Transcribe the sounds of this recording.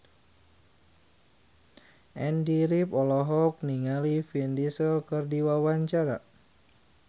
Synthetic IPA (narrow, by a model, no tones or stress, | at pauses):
ʔɛndiɾipɔlɔɦɔk̚niŋalifiɛndisəlkɨrdiwawaɲt͡ʃaɾa